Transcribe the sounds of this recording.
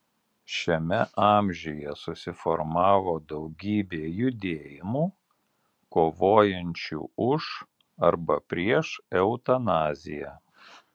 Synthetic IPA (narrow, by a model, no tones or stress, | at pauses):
ʃʲɛmʲɛʔɑːmʲʒʲʊjɛsʊsʲɪfɔɾmɑːʋoːd̪ɒʊɡʲiːbʲeːjʊd̪ʲeːjɪmuː | koːʋoːjɛnʲt͡ʃʲṵːʊʃ | ɐɾbɐpʲɾʲiɛʃɛʊt̪ɐnɑːzʲɪjæ̰ː